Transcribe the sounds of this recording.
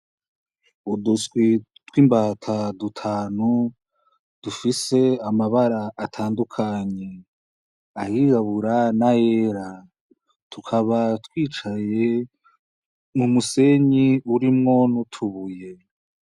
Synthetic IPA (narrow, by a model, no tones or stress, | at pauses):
uduswi | twiːmbatʰadutʰaːnu | d̥ufise̞amaβaɾaʔːtʰaːndukʰaɲe̞ | ahiɡaβuɾanajeɾa | tukʰaβatwiːt͡ʃaje̞ | mumuse̞ɲiuɾimŋo̞nutʰuβuje̞